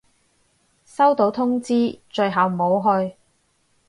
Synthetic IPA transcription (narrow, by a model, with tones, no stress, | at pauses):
sɐ˥wt̪o˨˥wt̪ʰʊ˥ŋt͡siː˥t͡ʃɵ˧ɥɦɐ˨w̩˨o˨˧wɦɵ˧ɥ